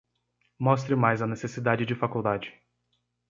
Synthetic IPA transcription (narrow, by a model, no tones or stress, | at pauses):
mɔst̪ɾɪmajzɐnesesid̪ad͡ʒɪd͡ʒɪfakuwd̪ad͡ʒɪ